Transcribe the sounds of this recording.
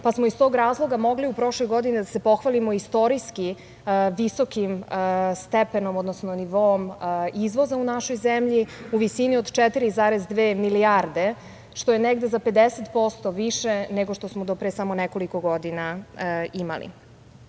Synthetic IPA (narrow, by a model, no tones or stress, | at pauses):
pasmoist̪o̞ɡɾaːzlˠo̞ɡamo̞ɡliupɾo̞ʃlojɡo̞d̪inid̪ase̞po̞xʋalimoist̪o̞ɾiski | ʋiso̞kimst̪epeno̞mod̪nosnoniʋoomizʋo̞zaunaʃojzemʎiuʋisiniod̪t͡ʃet̪iɾizaɾezd̪ʋeːmiliaɾd̪e̞ | ʃt̪o̞jeneɡd̪e̞zape̞d̪eset̪po̞st̪o̞ʋiʃeneɡoʃt̪o̞smod̪opɾesamoneko̞likoɡod̪inaima̰lḭ